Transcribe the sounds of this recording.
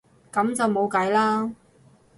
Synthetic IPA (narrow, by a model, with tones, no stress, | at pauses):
kɐ˨˥mt͡sɐ˨wmo˨˧wkɐ˨˥jlaː˥